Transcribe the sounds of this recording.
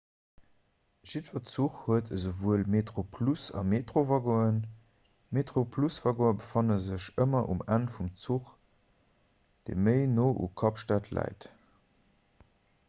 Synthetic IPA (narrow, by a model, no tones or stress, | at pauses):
ʒ̥itvɐt͡suχhuətʰəzəvuəlmetχopʰlusɑ̰meːtʁovɑɡoən | meːtʁopʰlusv̥ɑɡoəbəfɑnəzəɕəmɐʔṵmænfumt͡suχ | d̥ḛməɪnoːʔṵkʰɑpʃtaːtʰlæ̰ɪt